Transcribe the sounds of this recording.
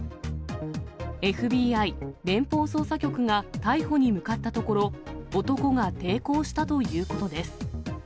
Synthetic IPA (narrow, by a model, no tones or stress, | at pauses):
e̞ɸɯ̟bʲiːaiɾẽ̞mpo̞ːso̞ːsakʲo̞kɯ̟ŋat̪aiho̞ɲ̟imɯ̟kat̪ːat̪o̞ko̞ɾo̞ot̪o̞ko̞ŋat̪e̞ːko̞ːɕi̥t̪at̪o̞jɯ̟ːko̞t̪o̞d̪e̞sɨ̥